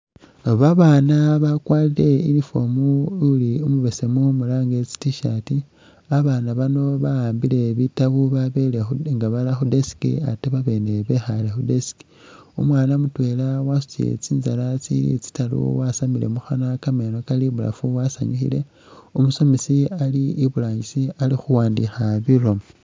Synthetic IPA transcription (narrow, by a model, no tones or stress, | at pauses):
oβaβaːnaβakwaːliɾe̞inifo̞muliumuβe̞se̞mumulaːŋɡe̞t͡si̥tiʃati | aβanaβano̞βajaːmbile̞βitaβuβaβelexuŋɡaβalaxudesi̥kḭateβaβe̞ne̞βe̞xalexudesi̥ki̥ | ṵmwaːnamutwe̞lawasu̥t͡sijḛt͡siːnzalat͡silḭt͡si̥talṵwasamile̞̰muxanakame̞no̞kaliβula̰fuwasa̰ɲixḭle̞ | umuso̞misialiiβulaːɲisialixuwaːndixaβilo̞m